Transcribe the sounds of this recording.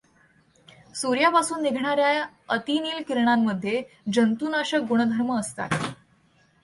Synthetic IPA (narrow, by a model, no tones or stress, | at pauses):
suɾjapasuːnːiɡʱɳaɾjaj | ət̪iniːlkiɾɳamːəd̪ʱːje | d͡ʑənt̪unaɕək̚ɡuɽ̃əd̪ʱəɾməːst̪a̰t̪